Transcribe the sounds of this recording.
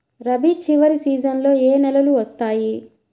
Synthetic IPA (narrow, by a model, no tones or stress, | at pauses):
ɾɐbit͡ʃiʋɐɾisiːd͡ʒɐnlo̞ːeːnɛlɐluʋɐst̪aːji